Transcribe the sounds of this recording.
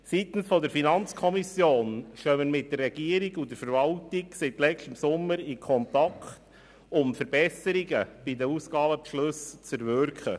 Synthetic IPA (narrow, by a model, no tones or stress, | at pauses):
sitn̩sfɔdəɾfinɑnt͡skʰɔmisjoːnʃœməɾmɪt̚d̥ərːɛɡ̥iəɾiɡʊdəɾfəɾvɑltiɡsɪtlɛstəmsʊmːəɾɪkʰɔntɑkχt | ʊmfəɾbɛsəɾiɡəb̥idəusɡ̥ɑːbəpʃlɵst͡sɛɾvʏɾkχə